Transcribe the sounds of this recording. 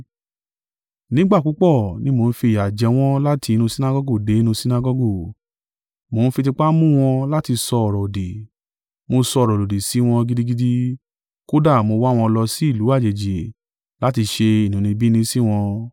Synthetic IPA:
nĩ˦ɡ͡ba˦˨k͡pu˨˦k͡pɔ˦˨nĩ˨˦mo˧n̩˦fi˧˨ja˨d͡ʒɛ˧w̃ɔ̃˦la˦tʰi˧nũ˧si˦na˧ɡɔ˧˦ɡo˦˨de˨˦i˧˦nũ˧si˦na˧ɡɔ˧ɡo˦˨ | mo˨˧˦n̩˦fi˧ti˧k͡pa˦mũ˦w̃ɔ̃˧la˦ti˧sɔ˧ɔ˨ɾɔ˨o˨di˨ | mo˧sɔ˧˨ɾɔ˨lo˨di˨si˨˦w̃ɔ̃˧ɡi˦˧di˦ɡi˧di˧ | ko˦da˦˨mo˧wa˦w̃ɔ̃˧lɔ˧si˨˦i˦˨lu˨˦a˦˨d͡ʒe˨d͡ʒe˨ | la˦ti˧ʃe˧i˨nũ˨nĩ˧bi˦nĩ˧si˦w̃ɔ̃˧

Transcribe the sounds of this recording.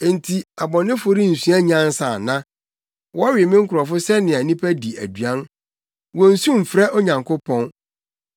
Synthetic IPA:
n̩˨tʰi˨a˨bɔ̃˨nɪ̃˦fo˨ɾĩ˦n̩˨sũ˦a˦ɲã˦n˦sa˨nã˦ | wɔ˦a˦ɥɪ˨e˨mɪ̃˦ŋ̩˦kʰʊ˨ɾɔ˨fʊ˦sɛ˦nɪ̃˨a˨nĩ˦pʰæ˦di˨æ̰˨dɥã˦n | wɔ̃˨n̩˨sũ˦m̩˨fɾɛ˦ʔɔ˦ɲã˨ŋkʰʊ˦pʰɔ̃˦n

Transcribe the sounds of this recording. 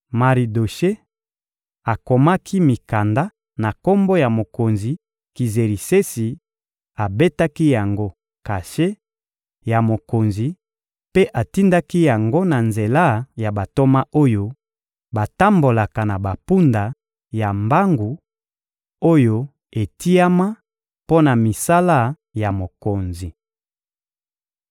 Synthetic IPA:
ma˨ʁi˨do˨ʃe˦ | a˨ko˨ma˦kʰi˦mi˨ka˨nda˦ | na˨ko˦mbo˦ja˨mo˨ko˨nzi˨ | ki˨ze˨ʁi˨se˦si˨ | a˨be˦ta˦ki˦ja˨ŋɡo˦ | ka˨ʃe˦ | ja˨mo˨ko˨nzi˨ | pe˦ʔa˨ti˦nda˦ki˦ja˨ŋɡo˦na˨nze˨la˦ja˨ba˨to˦ma˦ʔo˦jo˦ | ba˨ta˦mbo˨la˨ka˨na˨ba˨pu˦nda˨ | ja˨mba˦ŋɡu˨ | o˦jo˦ | e˨ti˦a˦ma˦ | po˦na˨mi˨sa˦la˦ | ja˨mo˨ko˨nzi˨

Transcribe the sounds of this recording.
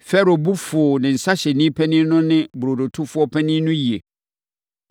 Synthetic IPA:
fɛ˦ɾo˨bu˦fʊ˨nɪ̃˨n̩˨sa˦ɕɛ˨nĩ˦pʰɛ˦nɪ̃˦nʊ̃˦nɪ̃˦bʊ˨ɾo˨do˨tʰʊ˦fʊ˦ɔ˦pʰɛ˦nɪ̃˦nʊ̃˦ji˨e˨

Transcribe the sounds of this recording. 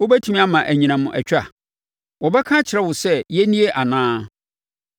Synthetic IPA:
wo˦bæ˦tʰĩ˦mĩ˦a˦mã˨ʔæ˨ɲĩ˨nã˨mʊ̃˨ʔæ̰˨t͡ɕᶣa̰˨ | wɔ˨bɛ˦kʰã˦t͡ɕʰɪ˨ɾɛ˦wʊ˨sɛ˦jɛ˦nĩ˦e˦ʔa˨nãː˦

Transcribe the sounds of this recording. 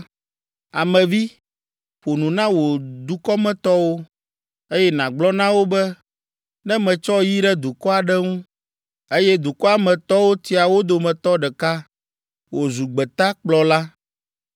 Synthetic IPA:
a˨mɛ̃˨vi˦ | ɸo˨nũ˨nã˦wo˨d̪u˨kɔ˦mɛ̃˦t̪ɔ˦wo˦ | e˦jɛ˦nã˨ɡ͡blɔ˦nã˦wo˦bɛ˦ | nɛ̃˦mɛ̃˨t͡ʃɔ˦ji˦ɖɛ˦d̪u˨kɔ˦a˨ɖɛ˦ŋũ˦ | e˦jɛ˦d̪u˨kɔ˦a˨mɛ̃˨t̪ɔ˦wo˦t̪i˦a˨wo˦d̪o˨mɛ̃˨t̪ɔ˦ɖɛ˨ka˦ | wo˨zu˨ɡ͡bɛ˨t̪a˦k͡plɔ˨la˦

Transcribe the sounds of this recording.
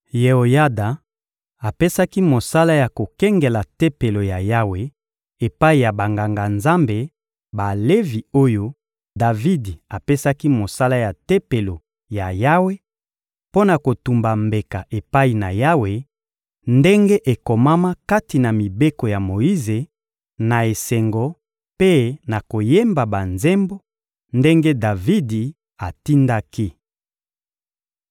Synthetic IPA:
je˨o˨ja˦da˨ | a˨pe˦sa˦ki˦mo˨sa˦la˦ja˨ko˨kɛ˦ŋɡe˨la˨te˦pe˨lo˨ja˨ja˦we˨ | e˨pa˦i˨ja˨ba˨ŋɡa˨ŋɡa˨nza˦mbe˨ | ba˨le˦vi˨o˦jo˦ | da˨vi˦di˨a˨pe˦sa˦ki˦mo˨sa˦la˦ja˨te˦pe˨lo˨ | ja˨ja˦we˦ | po˦na˨ko˨tu˨mba˨mbe˨ka˨ʔe˨pa˦i˨na̰˨ja˦we˨ | nde˦ŋɡe˦ʔe˨ko˨ma˦ma˦ka˦ti˨na˨mi˨be˦ko˨ja˨mo˨ji˦ze˨ | na˨e˨se˨ŋɡɔ˨ | pe˦na˨ko˨je˦mba˨ba˨nze˦mbo˦ | nde˦ŋɡe˦da˨vi˦di˨ | a˨ti˦nda˦ki˦

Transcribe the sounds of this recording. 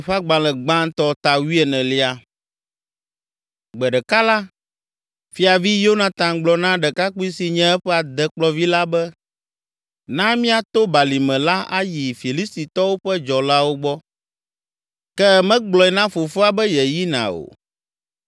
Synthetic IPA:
ɸa˦ɡ͡bã˨lɛ̃˨ɡ͡bã˦n˦t̪ɔ˦t̪a˨wi˦ɛ˨nɛ̃˨li˦a˦ | ɡ͡bɛ˨ɖɛ˨ka˦la˦ | fi˦a˨vi˦jo˦nã˨t̪ã˨ŋɡ͡blɔ˨nã˦ɖɛ˨ka˦k͡pu˦i˦si˨ɲɛ̃˦ɛ˦ɸɛ˦a˨d̪ɛ˨k͡plɔ˦vi˦la˦bɛ˦ | nã˦mĩ˦a˨t̪o˦ba˨li˨mɛ̃˨la˦ʔa˦ji˨fi˨li˦st̪i˨t̪ɔ˦wo˦ɸɛ˦d͡ʒɔ˨la˦wo˦ɡ͡bɔ˦ | kɛ˦mɛ̃˦ɡ͡blɔ˨ɛ˨nã˦fo˨fo˦a˨bɛ˦jɛ˨ji˦nã̰˨o̰˨

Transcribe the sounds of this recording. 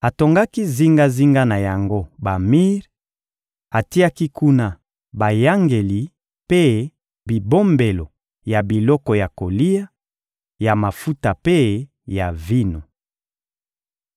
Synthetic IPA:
a˨to˨ŋɡa˦ki˦zi˦ŋɡa˦zi˦ŋɡa˦na˨ja˨ŋɡo˦ba˨mi˦ʁ | a˨ti˦a˦ki˦ku˦na˦ | ba˨ja˦ŋɡe˨li˨ | pe˦ | bi˨bo˦mbe˨lo˨ | ja˨bi˨lɔ˦kɔ˨ja˨ko˨li˦ja˦ | ja˨ma˨fu˦ta˨pe˦ | ja˨vi˦no˨

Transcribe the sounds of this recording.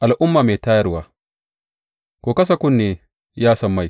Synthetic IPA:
ʔa˨lʔʊ˦mːaː˨meː˨taː˦jɐ˦rwaː˦ | kʷoː˨kɐ˦s̬a˨kʷʊ˦nːeː˨ | jaː˦sɐ˦mːa˦˨j

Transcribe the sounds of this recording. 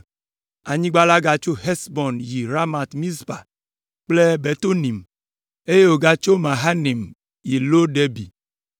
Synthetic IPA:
a˨ɲĩ˦ɡ͡ba˦la˦ɡa˨t͡ʃo˦ɦɛ˦sbɔ˨nji˨ɾa˦ma˨t̪mĩ˦sba˨ | k͡ple˦be˨t̪o˦nĩ˨m | e˦je˦wo˨ɡa˦t͡ʃo˦mã˨ɦa˦ni˨m | ji˨lo˦ɖe˦bi˨

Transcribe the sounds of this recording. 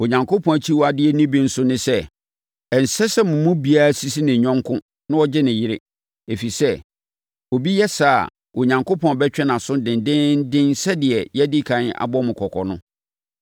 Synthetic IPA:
o˨ɲã˨ŋko˦pʰɔ̃˨t͡ɕʰi˦wɔ˦a˨dɪ˦ɛ˦nĩ˦bĩ˨n̩˦sʊ˦nɪ̃˦sɛ˦ | ɛ˨n̩˨sɛ˦sɛ˦mʊ̃˨mũ˦bi˦a˦ɾa˦si˦si˦nɪ̃˨ɲᶣɔ̃˦ŋ˦kʰʊ̃˦ | nʊ̃˦ɔ˦d͡ʑɪ˦nɪ̃˨jɪ˦ɾe˦ | e˨fi˨sɛ˦ | o˨bi˦jɛ˦sa̰˦˨ | o˨ɲã˨ŋko˦pʰɔ̃˨bɛ˦t͡ɕᶣɛ˦nã˨sʊ̃˦dɪ̃˨ndɪ̃˦n˦dɪ̃˦nsɛ˦dɪ˨ɛ˨jɛ˦dɪ˦kʰã˦na̰˨bɔ˦mʊ̃˨kʰɔ˨kʰɔ̰˨nʊ̰̃˦

